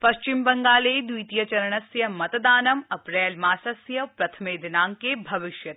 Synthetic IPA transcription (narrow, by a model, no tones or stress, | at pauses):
pɐʃt͡ʃɪmbɐŋɡaːleːd̪ujt̪ijɐt͡ʃɐɾɐɳ̃ɐsjɐmɐt̪d̪aːnɐmɐpɾɛːlmaːsɐsjɐpɾɐt̪ʰɐmeːd̪ɪnaːŋkeːbʱɐʋɪʃjɐt̪